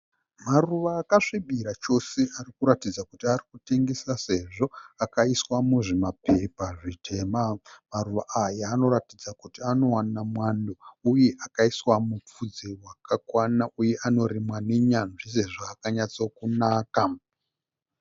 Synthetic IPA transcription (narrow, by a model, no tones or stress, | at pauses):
maruʋaːkaʂiɓiɾat͡ʃo̞se̞ʔarikuɾatid͡zakutiarikute̞ŋɡe̞sase̞ʐo̞akaiswamuʐemapʰe̞paʐitʰe̞mamaruʋa̰ajaːno̞ɾatid͡zakutiano̞wanamwandouje̞ʔakaiswamup͡fud͡zewakʰakwanaʔuje̞ʔano̞ɾimwaniɲanʐis̬e̞ʐoakaɲat͡sokunaːka